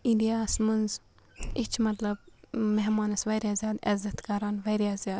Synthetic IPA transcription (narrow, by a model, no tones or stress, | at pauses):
inɖijaːsmɨnz | it͡ʃʰmɐt̪lɐb̚mɛɦmaːnɐsʋɐɾʲjazʲjaːd̪ɛzɐt̪kɐɾaːnʋɐɾjaːzʲjaːd̪